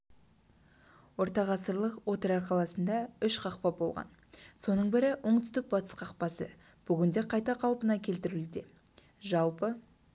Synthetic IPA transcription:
wo̞ɾt̪ɑʁɑsəɾlˠəqwo̞t̪əɾɑɾqʰɑlˠɑsənd̪ɑʏʃqʰɑqpɑbo̞lˠʁɑ̰n | so̞nəɴbɪɾɪwʔoɴt̪ʏ̥st̪ɪk̚bɑt̪ə̥sqʰɑqpɑsə̰ | b̥ʏɡʲɪnd̪e̞qʰɑjt̪ɑqʰɑlˠpənɑkʲʰe̞lt̪ɪɾuld̪e̞ | ʒɑlˠpə

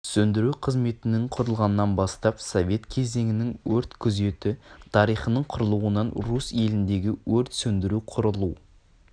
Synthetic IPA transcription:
sɵnd̪ɪɾuqʰəzme̞t̪ɪnɪŋqʰʊɾəlˠʁɑnəːɑnbɑst̪ɑpsovʲe̞t̪kʲʰe̞ze̞ŋɪnɪŋwɵɾt̪kʲʰʏze̞t̪ɪt̪ʰɑɾijχənəɴqʰʊɾəlˠuənɑnɾuse̞lɪnd̪e̞ɡʲɪwɵɾt̪sɵnd̪ɪɾuqʰʊɾəlˠu

